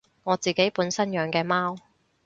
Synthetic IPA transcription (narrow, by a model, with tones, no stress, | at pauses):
ŋɔː˨˧t͡siː˨ke˨˥jpuː˨˥nsɐ˥njœː˨˧ŋkɛː˧maː˥w